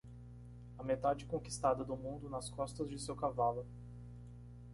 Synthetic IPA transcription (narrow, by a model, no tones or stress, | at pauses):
ɐmet̪ad͡ʒɪkõki̥st̪ad̪ɐd̪ʊmũnd̪ʊnɐskɔst̪ɐzd͡ʒɪsewkavalʊ